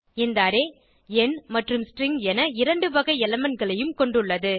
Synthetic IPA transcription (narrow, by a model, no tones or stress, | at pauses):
ɪnd̪aːɾeː | ɛnmɐʈrɯmsʈɾɪŋɡɛnɐɪɾɐɳɖɯʋɐɣɐɪɛlɐmɐnɡɐɭɐjɯmkɔɳɖɯɭːɐðɯ